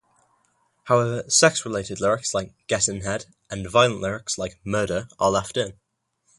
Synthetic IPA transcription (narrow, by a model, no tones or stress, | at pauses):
haʊɛvəsɛksɹɪleɪtɪdˡlɪɹɪkslaɪk̚ɡ̥ɛtɪ̃nɦɛd | ʔə̃nvaɪəlˠə̃nʔlɪɹɪkslaɪk̚mɜːɾəʔəlɛftɪ̃n